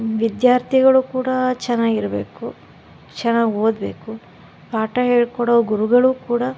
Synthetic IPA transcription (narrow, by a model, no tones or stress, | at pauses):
ʋid̪jaːɾt̪ʰiɡɐɭukuːɽɐt͡ʃɛnːaːɡiɾɐbḛːku | t͡ʃɛnːaːɡɦo̞ːd̪be̞ːku | paːʈɐɦeːɭkɔɽɔɡuɾuɡɐɭuːkuːɽɐ